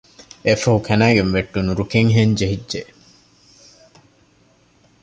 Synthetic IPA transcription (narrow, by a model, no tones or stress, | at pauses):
efɐɦukʰænæːɡenʋeʈːunuɾukeŋɦeɲd͡ʒeɦidd͡ʒe